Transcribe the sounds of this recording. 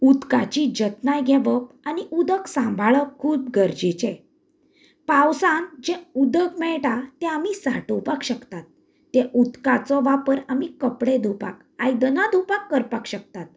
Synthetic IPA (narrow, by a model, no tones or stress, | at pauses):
ud̪kat͡ɕid͡ʑət̪najɡʱɛʋəp̚ | aniud̪əksãmbʱaɭəkʰːuːb̚ɡəɾd͡ʑet͡ɕɛ | pãwsãŋd͡ʑɛ̃ud̪əkmɛɭʈat̪ɛ̃amisa̰ʈopakɕəkt̪at̪ː | ɛʔud̪kat͡sɔʋapəɾamikəpɽed̪ʱupa̰k | ajd̪ənad̪upakːəɾpakɕək̚t̪at̪̚